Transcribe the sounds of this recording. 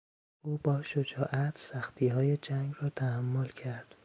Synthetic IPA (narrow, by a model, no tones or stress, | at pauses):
ʔuːbɒːʃod͡ʒɒːʔæt̪ʰsæxt̪ʰiːhɒːje̞d͡ʒæŋɡrɒːt̪ʰæhæmːolcʰæɾd̪̥